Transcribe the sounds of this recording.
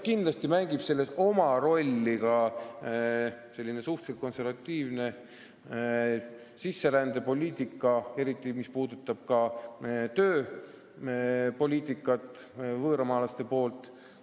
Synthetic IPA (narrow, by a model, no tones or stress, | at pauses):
kind̪lɑst̪imæŋɡ̥ib̥se̞lːe̞so̞mɑɾo̞lʲːikɑ | se̞lːine̞suht̪selt̪̚ko̞nse̞rvɑt̪ʲːiːvne̞ | sisːe̞ɾænd̪̥e̞po̞lʲiːt̪ˑikːˑɑe̞ɾit̪ːˑimispuːd̪̥ut̪ːˑɑb̥̚kɑ | t̪øː | po̞lʲiːt̪ːˑikːˑɑt̪ːˑ | vɤːɾɑmɑːlɑst̪e̞po̞ːlt̪ːˑ